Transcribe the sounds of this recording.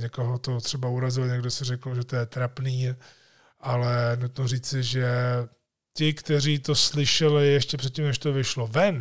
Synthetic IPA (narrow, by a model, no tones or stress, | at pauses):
ɲɛko̞ɦo̞t̪o̞t̪r̥ɛbauɾazɪlɲɛɡdo̞sɪrɛkl̩ʒɛt̪ojɛt̪ɾapniː | ʔalɛnut̪noriːt͡sɪʒɛ | cɪkt̪ɛriːt̪o̞slɪʃɛlɪjɛʃcɛpr̝̥ɛt̪̚ʲcimnɛʃt̪ovɪʃlo̞vɛn